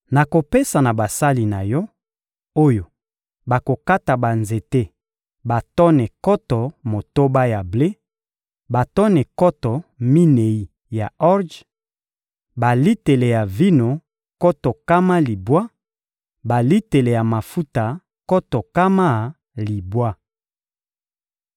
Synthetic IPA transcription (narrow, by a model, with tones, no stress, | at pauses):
na˨ko˨pe˦sa˨na˨ba˨sa˦li˨na˨jɔ˦ | o˦jo˨ | ba˨ko˨ka˦ta˨ba˨nze˨te˦ | ba˨tɔ˦nɛ˨kɔ˦tɔ˨mo˨to˦ba˦ja˨ble˦ | ba˨tɔ˦nɛ˨kɔ˦tɔ˨mi˦ne˨i˦ | ja˨ɔ˦ʁd͡ʒ | ba˨li˦te˨le˨ja˨vi˦no˨ | kɔ˦tɔ˨ka˦ma˦li˨bwa˦ | ba˨li˦te˨le˨ja˨ma˨fu˦ta˨ | kɔ˦tɔ˨ka˦ma˦˨ | li˨bwa˦